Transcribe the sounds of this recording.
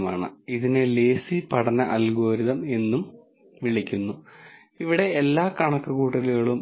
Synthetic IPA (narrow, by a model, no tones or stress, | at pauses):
maːɳɨiðine̞leːsipɐɽɐnɐʔɐlɡo̞ːɾiðɐme̞nːum | ʋiɭikʲːunːu | iʋiɽe̞ːlːaːkɐɳɐkːɐkuːʈːɐðluɣɐɭum